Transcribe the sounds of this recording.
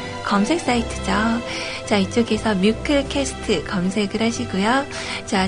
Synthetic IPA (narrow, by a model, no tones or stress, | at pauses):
kʌmsʰe̞k̚s͈aitʰɯ̥d͡ʑʌ | t͡ɕait͡ɕ͈oɡesʰʌmjukʰɯɭkʰesʰɯ̥tʰɯkʌmsʰe̞ɡɯɾhaɕʰiɡujo | t͡ɕa